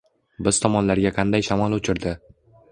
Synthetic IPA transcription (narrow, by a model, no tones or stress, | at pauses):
bɪz̥t̪ʰɒmɒnlaɾɡʲaqʰɑnd̪ajʃamɒlˠʊt͡ʃʰɪɾd̪ɪ